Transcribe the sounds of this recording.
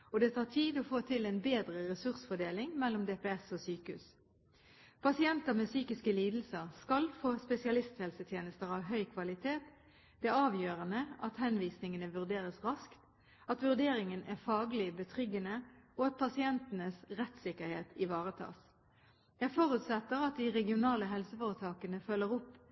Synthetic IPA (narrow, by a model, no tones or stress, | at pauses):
ɔd̪ɛt̪ʰɑːt̪ʰiːd̪ɔfoːt̪ʰɪlɛnbeːd̪ʁəʁɛsʉʁsfɔd̪eːlɪŋmɛlːɔmd̪eːpɛɛsɔsyːkʉ̰s | pʰɑsɪɛnt̪əʁmɛsyːkɪskəliːd̪l̩səʁskɑlfoːspɛsɪɑlɪst̪hɛlsət̪ʰjeːnəst̪əʁɑʋɦœʏkʰʋɑlɪt̪ʰeːt̪ | d̪̥ɛɑːʋjøːʁənəɑt̪hɛnʋiːsnɪŋənəʋʉʁd̪eːʁəsʁɑskt̪ | ɑt̪ʋʉʁd̪eːɾɪŋənʔæʁfɑːɡlɪbət̪ʰʁʏɡːənəoɑt̪̚pʰɑsɪɛnt̪ənəsʁɛt̪sɪkəʁheːt̪ɪʋɑːʁət̪ʰɑ̰ːs | jæɪfɔʁʉːt̪sɛt̪ːəʁɑt̪̚d̪ɪʁɛɡɪʊnɑːləɦɛlsəfoːʁət̪ʰɑːkənəfœlːəʁʊpː